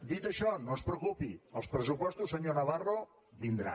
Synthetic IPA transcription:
d̪it̪əʃɔnõspɾəukupiə̰lˠspɾəsupɔst̪usəɲonɐβaro | βind̪ɾa̰

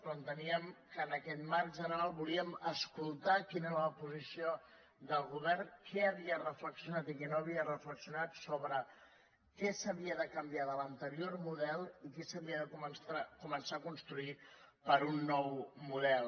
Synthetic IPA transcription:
kunt̪əniəmkəːnəkɛt̪marʒənəɾalˠβuliəməskulˠt̪akineɾələpuzisio | d̪əlˠɣuβɛrkʰɛəβiərəfləksiunat̪ikɛnoəβiərəfləksiunat̪soβɾə | kɛsəβiəðəkəmbijaðələnt̪əɾiormuðɛlˠikɛsəβiəðəkumənsakumənsakunst̪ɾuipəɾunːɔwmuðɛlˠ

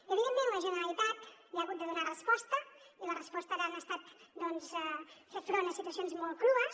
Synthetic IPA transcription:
əβiðemẽnləʒənəɾəlit̪at̪liaɣut̪d̪əðunarəspɔst̪ə | ilərəspɔst̪əðanaəst̪at̪d̪ɔnzɛfefɾonəsit̪uəsionzmɔlˠt̪̚kɾuəs

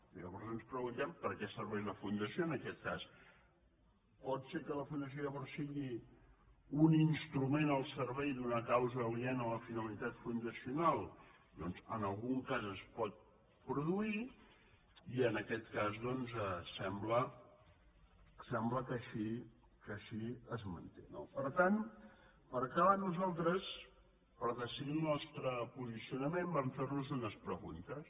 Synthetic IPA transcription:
ʎə̰βɔɾzənspɾəɣunt̪ɛmpəɾkɛsəɾβɛjləfund̪əsioənəkɛt̪̚kas | pɔt̪sekələfund̪əs̬ioʎəβɔɾsːiɣi | uninst̪ɾumenəlˠsəɾβɛjd̪unəkawzəliɛnələfinəlit̪at̪fund̪əsiunalˠ | d̪ɔnzə̰nəlˠɣuŋkazəspɔt̪̚ | pɾuðui | iənəkɛt̪kazðɔnzɛsɛmblə | sɛmbləkəʃi | kəʃiəzmə̰nt̪ḛno̰pəɾt̪an | pəɾkaβanuzalˠt̪ɾəs | pəɾðəsiðilˠnɔst̪ɾəpuzisiunəmembamfernuzunəspɾəɣṵnt̪əs

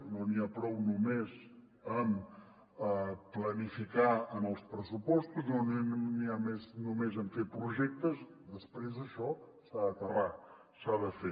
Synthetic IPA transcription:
noniapɾɔwnumez | əm | əplənifikaəməlˠspɾəsupɔst̪uznonniameznumezəɱfepɾuʒɛk̚t̪əz | d̪əspɾezəʃɔ | saðət̪əra | saðəfe

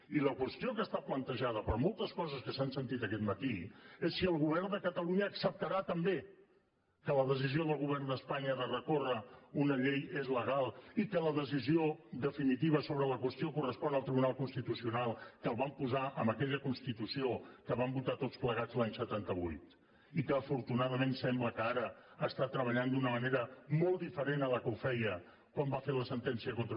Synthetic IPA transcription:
iləkwəst̪iokəst̪aplənt̪əʒað̞əpəɾmolˠt̪əskɔzəskəsansənt̪it̪əkɛt̪mət̪iesːiəlˠɣuβɛrnd̪əkət̪əluɲəːksəp̚t̪əɾat̪əmbe | kələðəs̬izioðəlˠɣuβ̞ɛrnd̪əspaɲəðərəkorəunəʎejezləɣalˠikələðəs̬izioðəfinit̪iβəsoβɾələkwəst̪ijokurəspɔnəlˠt̪ɾiβunalˠkunst̪it̪usiunalˠkəlˠβampuzaʔə̰mbəkɛʎəkunst̪it̪usiokəβambut̪at̪ott͡spləɣad͡zlaɲsət̪ant̪əβṵjt̪ | ikəːfuɾt̪unaðəmensɛmbləkəaɾəəst̪at̪ɾəβ̞əʎand̪unəməneɾəmɔlˠd̪ifəɾenələkəufɛjə | kwambafeləsənt̪ɛnsiəkont̪

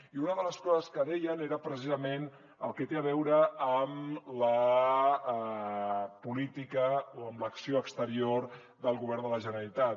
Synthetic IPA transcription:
iunəðələskɔzəskəðɛjəneɾəpɾəs̬izəmen | ə̰lˠkɛt̪eəβɛwɾəːmlə | pulit̪ikəoəmləksioəkst̪əɾioɾ | d̪əlˠɣuβ̞ɛɾnd̪ələʒənəəlit̪at̪

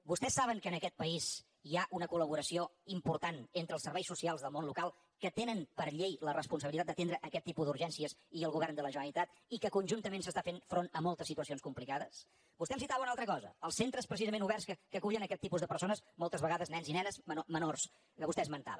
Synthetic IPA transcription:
bust̪ɛsːaβəŋkəːnəkɛt̪̚pəiz | iaʔunəkuləβuɾəsioimpuɾt̪anent̪ɾəlˠsəɾβɛjsːusialˠzðəlˠmonlukalˠ | kət̪enənpəɾʎejlərəspunsəβilit̪at̪d̪ət̪end̪ɾəʔəkɛt̪ːipuzðuɾʒɛnsiəsiəlˠɣuβɛrnd̪ələʒənəlit̪at̪ | ikəkunʲʒunt̪əmensəst̪afenfɾonəmɔlˠt̪əsːit̪uəsionskumplikaðəs | bust̪ɛmsit̪aβəunalˠt̪ɾəkɔzə̰əlˠsent̪ɾəspɾəsizəmẽnuβɛrskəkəkuʎənəkɛt̪ːipuzðəpəɾsonəsmɔlˠt̪əzβəɣaðəznɛnzinɛnəzməomənors | kəβust̪ɛzmənt̪a̰βə

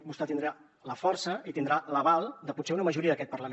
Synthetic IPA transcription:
bust̪ɛt̪ind̪ɾa | ləfɔrsəʔit̪ind̪ɾaləβalˠd̪əput̪seunəməʒuɾiəðəkɛt̪̚pərləm

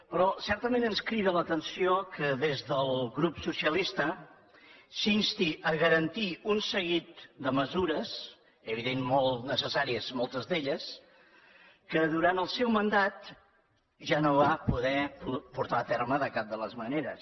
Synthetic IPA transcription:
pɾɔsɛɾt̪əmenənskɾiβələt̪ənsiokəðezðəlˠɣɾupsusiəlist̪ə | sinst̪iʔəɣəɾənt̪iunsəɣit̪̚d̪əməzuɾəs | əβ̞iðenmolˠnəsəsaɾiəzmɔlˠt̪əzðeʎəs | kəðuɾant̪əlˠsɛwmənd̪at̪ | ʒanoβapuðɛppuɾt̪aət̪ɛrməðəkap̚d̪ələzməneɾə̰s

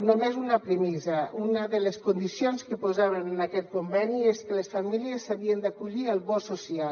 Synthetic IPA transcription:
nomezunəpɾəmizəunəðələskund̪isionskəpozaβənənakɛt̪̚kumbɛnieskələsfamiliəsːaβiənd̪akuʎiəlˠβɔsusia

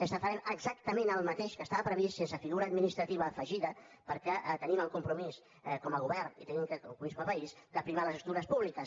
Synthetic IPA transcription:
əst̪afaɾeɾəɡzak̚t̪əmẽnəlˠmɐt̪eʃkəst̪aβɐpɾəβissensəfiɣuɾɐaːd̪minist̪ɾɐt̪iβɐfəʒiðɐ | pəɾkɛʔt̪əniməlˠkumpɾumis | ɛkɔməɣuβɛɾnḭt̪ənimkəkokumiskomɐpɐisd̪̥əpɾimaləzəst̪uɾɐspuβlikəs

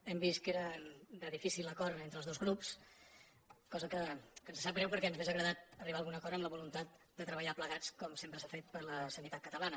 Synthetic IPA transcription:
ɛmbist̪̚keɾədəðifisiləkɔɾent̪ɾəlzðozɣɾups | kɔzəkəkənzsap̚ɣɾɛwpəɾkɛnzβezəɣɾəðat̪̚əriβaːlˠɣunəkɔɾəmləβulunt̪at̪̚ | d̪ət̪ɾəβəʎapləɣat͡skɔmsempɾəsafet̪̚pəɾləsənit̪at̪̚kət̪əlanə

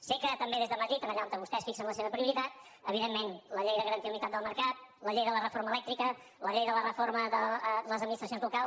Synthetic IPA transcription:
sekət̪əmbeðezðəməðɾit̪ənəʎant̪əβust̪ɛsfiksəmləseβəpɾiuɾit̪at̪əβiðemːenləʎejðəɣəɾənt̪iəunit̪at̪d̪əlˠməɾkat̪̚ləʎejðələrəforməlɛk̚t̪ɾikə | ləʎejðələrəforməðələzəd̪minist̪əsjonzlukalˠ

